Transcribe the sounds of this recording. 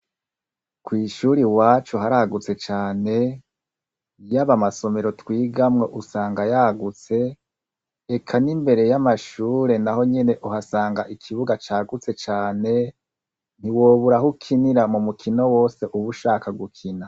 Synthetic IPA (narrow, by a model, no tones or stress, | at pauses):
kwiːʃuɾiwaːt͡ʃuɦaɾaɡut͡se̞t͡ʃaːne̞ | jaβamaso̞me̞ɾo̞twiːɡamŋo̞ʔusaːŋɡajaɡut͡se̞ | ekʰanimbe̞ɾe̞jamaʃuːɾe̞naɦo̞ɲe̞ne̞ʔuɦasaːŋɡaʔikʰiβuɡat͡ʃaːɡut͡se̞t͡ʃaːne̞ | n̥iwoːβuɾahukʰiniɾamumukʰino̞wo̞ːse̞ʔuβuʃaːkaɡukʰina